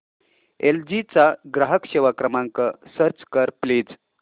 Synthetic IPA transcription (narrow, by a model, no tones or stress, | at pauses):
eld͡ʑit͡saɡɾaɦəkɕeʋakɾəmaŋkəsəɾt͡skəɾpliːd͡z